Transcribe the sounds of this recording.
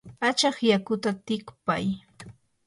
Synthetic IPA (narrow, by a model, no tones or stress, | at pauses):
at͡ʃɑχjakʊt̪at̪ɪkpa̰j